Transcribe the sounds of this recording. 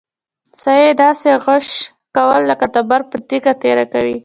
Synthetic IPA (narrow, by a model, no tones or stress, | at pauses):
sajed̪ɑseɣəʃ | kawəlːəkat̪abaɾpət̪iɡat̪eɾakawi